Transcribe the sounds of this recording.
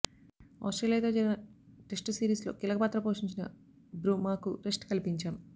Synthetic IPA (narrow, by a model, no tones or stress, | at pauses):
ɐ̰ːsʈɾeːlijɐt̪o̞ːd͡ʒɐɾɡɐnɐʈesʈsiːɾiːslo̞ːkilɐkɐpaːt̪ɾɐpoːʂiɲt͡ʃinɐ | bɾuːmaːkuɾesʈkɐlipiɲt͡ʃaːm